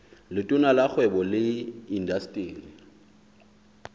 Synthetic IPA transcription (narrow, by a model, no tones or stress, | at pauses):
lɪtʼʊnalak͡xʰwɛbɔlɪindastʼiːnɪ